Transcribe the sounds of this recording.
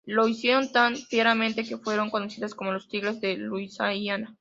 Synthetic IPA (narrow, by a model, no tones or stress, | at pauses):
lo̞isje̞ɾo̞nt̪anfjeɾamẽnt̪e̞ke̞fwe̞ɾo̞ŋko̞nosiðasko̞mo̞lo̞st̪iɣlezðeluisaiana